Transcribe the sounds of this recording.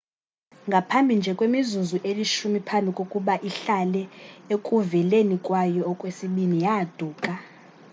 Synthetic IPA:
ŋɡʱapʰambʱind͡ʒʱɛkʼwemizuzuʔeliʃumipʰambʱikʼokʼuɓaʔiɬalɛekʼuvɛlenikʼwajɔːkʼwesiɓinijad̥ʱuːkʼa

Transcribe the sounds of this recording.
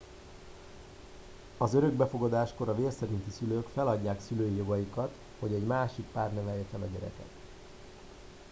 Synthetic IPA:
ɒzøɾø̞ɡ̚bɛfo̞ɡɒd̪aːʃko̞ɾɒveːrsɛɾint̪isyløːkfɛlɒɟːaːksyløːjijo̞ɡɒjikɒt̪ | ho̞ɟɛɟmaːʃik̚paːrnɛvɛjɛt͡ʃɛnɒɟɛɾɛ̰kɛ̰t̪

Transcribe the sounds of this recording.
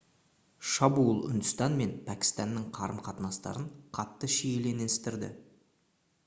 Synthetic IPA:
ʃɑbulˠʏ̰nd̪ʊst̪ɑnme̞npʰækʲɪ̥st̪ɑnːəɴqʰɑɾəmqʰɑt̪ənɑst̪ɑ̰ɾəɴqʰɑt̪ːəʃijele̞neɪst̪ɪɾd̪ɪ̰

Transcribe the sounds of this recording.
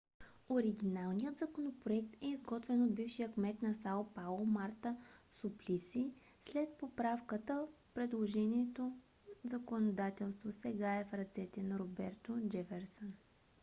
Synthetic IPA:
oɾiɡ̟ʲinalˠnijəd̪zəkonopɾoɛk̚t̪ɛizɡɔt̪vɛnod̪̚bifʃijəkmɛt̪nɐsalpalˠomaɾt̪əsʊplisi | slɛt̪̚popɾafkət̪ə | pɾɛd̪lˠoʒɛnʲiɛt̪o | zɐkonod̪at̪ɛlˠst̪vosɛɡaɛfɾɐt̪sɛt̪ɛnɐɾobɛɾt̪od͡ʒɛfɛɾsən

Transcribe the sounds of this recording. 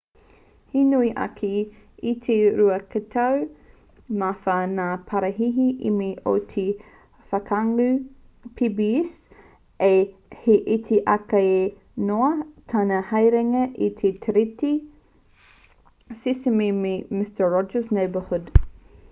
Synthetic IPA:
hinuiʔɐ̰kʰi | it̪ʰeɾuɐkɐtʰaw | mafanaːpʰɐɾɐɦiɦiʔḭmiʔo̰t̪ʰe | fɐkʰaŋʉ | pʰibis | eheʔit̪ʰiʔɐkɐe | noɐtʰɐnɐhɐjɾɛŋɐʔit̪ʰet̪ʰəɾiti | sisimimemɪstəɹɔd͡ʒəsnejbəhud

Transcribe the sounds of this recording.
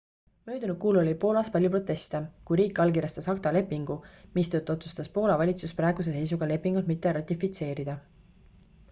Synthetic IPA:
mø̞ːd̪unud̥̪̚kuːlo̞lipo̞ːlɑspɑlʲjupro̞t̪ːˑe̞st̪ekujɾiːkːˑɑlɡiɾjɑst̪ɑsɑkt̪ɑle̞pːiŋɡ̥umist̪ø̞ːt̪ːˑo̞t̪su̥st̪ɑspo̞ːlɑvɑlʲit̪susprɑˑeɡ̥us̬e̞se̞js̬uɡ̥ɑle̞pːˑiŋɡ̥ult̪̚mit̪ːe̞ɾɑt̪ːˑifit̪se̞ːɾid̪̥ɑ

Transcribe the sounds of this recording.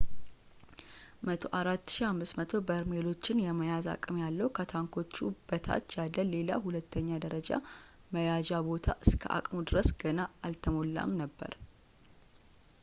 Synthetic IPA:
mət̪ʰoʔaɾat̪ːɨ̥ʃihamːɨsmət̪ʰo̞bəɾmelo̞t͡ʃːɪnjɛməjaza̰kʼɨmjalːəhukʰət̪ʰaŋkʰo̞t͡ʃːub̥ət̪ʰa̰t̪ːjalːəle̞la̰hulət̪ʰːəɲːad̪əɾəd͡ʒa̰ | məjad͡ʒabo̞t̪ʰa̰ʔɨskʰə̰ʔa̰kʼmod̪ɨɾəsɡ̥ənaalt̪ʰəmo̞lːa̰mnəbːə̰ɾ

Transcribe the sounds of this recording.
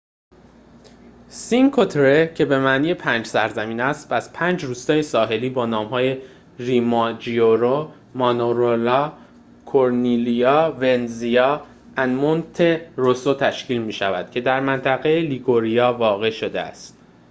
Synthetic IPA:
siŋkʰot̪ʰɾecʰe̞be̞mæʔniːjepʰænd͡ʒsæɾzæmiːnæst̪pæz̥pʰæːnd͡ʒɾuːst̪ɒːjesɒːɦe̞liːbɒːnɒːmhɒːje̞ | rimɒd͡ʒioɾo | mɒnoɾolɒː | kʰoɾnilijɒːve̞nzijɒː | ænmont̪ʰeɾosot̪ʰæʃciːlmiːʃævæ̰d̪̥cʰe̞d̪æɾmænt̪ʰæɣe̞eliɡoɾijɒːvɒːɣe̞ʃo̞d̪eæ̰st̪

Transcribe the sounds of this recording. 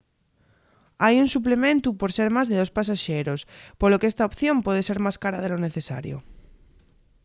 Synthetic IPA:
ajunsup̬lemẽnt̪upo̞ɾse̞ɾmazðeð̞o̞spas̬aʃeɾo̞spolokeest̪aopθjo̞mpwe̞ð̞eseɾmaskaɾaðelo̞neθesa̰ɾjo̰

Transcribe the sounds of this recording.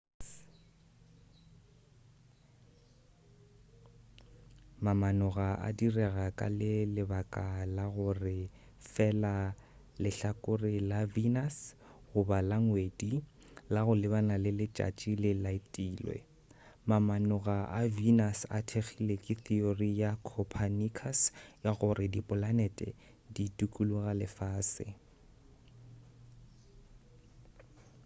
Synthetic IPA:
mamanʊɣaʔa̰dirɛɣakʼa̰lɪlɪbakʼalaɣʊrɪ | fɛla | lɪɬakʼʊrɪlavinas | ɣʊbalaŋwedi | laɣʊlɪbanalɪlɪt͡ʃʼa̰t͡ʃʼilɪlaitʼiːlwɛ̰ | mamanʊɣaavinasa̰tʰeχʰilekʼɪθiorijakʰɔpʰanikʰasjaɣʊrɪdipʼʊlanɛtʼɛ̰ | ditʼukʼuluɣalɪfaːsɪ̰

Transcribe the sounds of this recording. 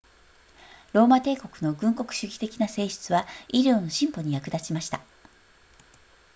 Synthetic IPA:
ɾo̞ːmat̪e̞ːko̞kɯ̟no̞ɡɯ̟̃ŋko̞kɯ̟̥ɕɨkʲi̥t̪e̞kʲinase̞ːɕɨ̥t͡sɨβaiɾʲjo̞ːno̞ɕĩmpo̞ɲ̟ijakɯ̟d̪at͡ɕimaɕi̥t̪a

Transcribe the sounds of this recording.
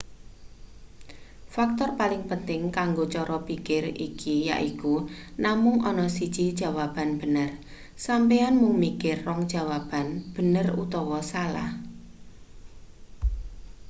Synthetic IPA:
fak̚t̪ɔrpalɪŋpənt̪ɪŋkaŋɡot͡ʃɔɾɔpikɪrḭkʰija̰ʔikunamʊŋʔɔnɔsid̥t͡ʃid̥ʒ̥a̤wab̥a̤nb̥ə̤nər | sampeanmuŋmikɪrːɔŋd̥ʒ̥a̤wab̥a̤nb̥ə̤nərṵt̪ɔwɔsala̰h

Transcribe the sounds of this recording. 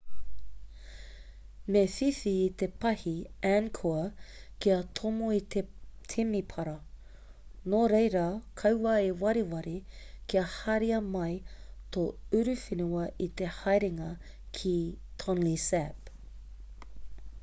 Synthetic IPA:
mefifiːt̪epɐhiænkʰoɐkiɐt̪ʰomoitet̪ʰimipʰɐɾɐ | noɾejɾakʰɐwwaewɐɾiwɐɾikiɐhɐɾiɐmɐjt̪oʉɾʉfinuɐʔit̪e̞hɐjɾiŋɐ | kʰit̪ʰɔnlisæp

